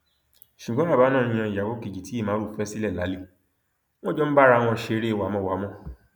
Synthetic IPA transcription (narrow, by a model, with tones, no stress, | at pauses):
ʃu˨ɡ͡bɔ̃˨˦a˦˨ba˨˦nãː˦˨ĩ˦˧j̃ã˧i˨ja˨ɡo˦ke˨d͡ʒi˨ti˦i˦˨mãː˨˦ɾu˦˨fɛ˦si˦lɛ˦˨la˨˦li˦ | w̃ɔ̃˦d͡ʒɔ˦n̩˦ba˦ɾa˧w̃ɔ̃˧˨ʃe˨˧˦ɾe˦˨wa˨˦mɔ̃˨˧˨wa˨˦mɔ̃˦